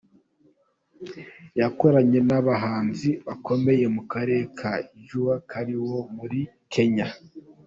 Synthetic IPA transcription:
jako̞ɾaɲe̞naβaɦaːnziβakʰo̞me̞je̞mukaɾe̞ːkʰaʒuwakʰaɾiwo̞muɾi | kʰe̞ɲa

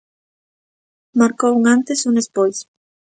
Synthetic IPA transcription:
maɾkouŋãnt̪esunespojs

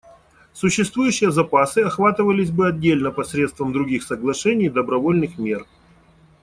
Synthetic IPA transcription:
sʊɕːɪst̪vujʉɕːɪjəzɐpasɨɐxvat̪ɨvəlʲɪsʲbɨɐdʲːelʲnəpɐsɾʲet̪st̪vəmd̪ɾʊɡʲixsəɡlˠɐʂɛnʲɪjd̪əbɾɐvolʲnɨxmʲe̞r

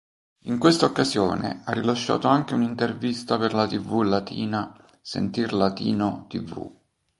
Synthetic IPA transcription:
iŋkwest̪aokːazjoːnḛarːilaʃːa̰ːt̪oaŋk̟eunint̪ervist̪aperlat̪ivulat̪ḭːna | sḛnt̪irlat̪iːnot̪ivṵ

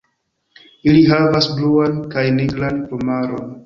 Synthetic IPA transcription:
iliɦavasbluankajneɡɾanpomaɾo̞n

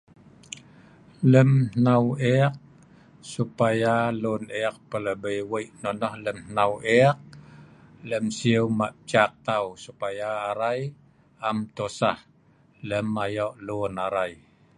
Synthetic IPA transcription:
ləmhnaweaq̚ | supajaluneak̚pələbəjwəjʔnɔnɔhləmhnaweaq̚ | ləmsiəwmaʔt͡ʃak̚t̪awsupajaːɾaj | amt̪osah | ləmajɔʔlunaɾaj

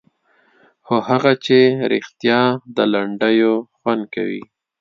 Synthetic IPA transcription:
xohaɣat͡ʃeɾɪ̰xt̪jɑd̪əlaɳɖəjoxwand̪̚ka̰wḭ

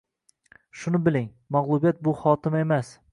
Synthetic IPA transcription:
ʃʊnɪbɪlɪŋ | mɒʁlˠʊbijat̪̚bʊχɒt̪ʰɪme̞mas

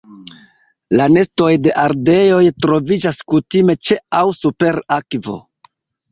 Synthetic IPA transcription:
lane̞sto̞jde̞ʔaɾde̞jo̞jtɾo̞vid͡ʒaskutime̞t͡ʃe̞awsupe̞ɾakvo̞̰

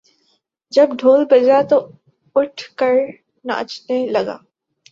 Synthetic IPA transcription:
d͡ʒɐbɖʱoːlbɐd͡ʒat̪o | ʊʈʰkəɾ | na̰t͡ʃnelɐɡa̰ː

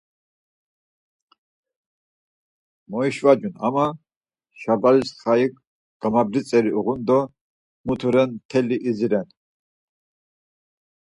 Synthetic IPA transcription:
mɔiʃvad͡ʒuna̰ma | ʃabalisχaik | ɡ̥amabɾit͡sʼɛɾiuʁund̪ɔ | mut̪ʰuɾɛnt̪ʰɛliʔiziɾɛn

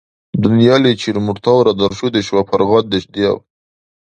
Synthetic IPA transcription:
d̪ʊnjɑlit͡ʃiɾmʊʈt̪ɑwɾad̪aɾʃud̪eʃwapaɾɣɑt̪̚d̪eʃd̪ijɑ̰w

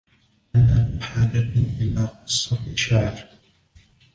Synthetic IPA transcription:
ʔanamʊħaːd͡ʒaʔɪlaːqɨsˤːɑfiʃaʕɾ

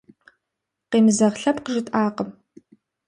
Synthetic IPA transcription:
qeːmɨzɐʁɬɐpqəʒɪtʼaːqəm

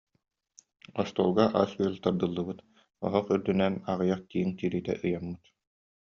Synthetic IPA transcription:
ɔst̪ɔːlˠɡaʔa̰sylʲˠt̪aɾd̪ɯlˠːɯbɯt̪ | ɔ̰ɦɔχyɾd̪ynɛnaʁɯjaχkiːŋt̪iːɾiːt̪ɛ̰ʔɯjamːɯt̪

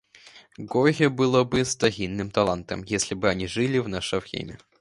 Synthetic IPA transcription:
ɡɔɣʲɛbɨlˠɔbɨst̪aɣʲinːɨmt̪alˠant̪ɐ̰mjesʲlʲibɨanʲiʐɨlʲiwnaʂɐfxʲḛmʲɛ

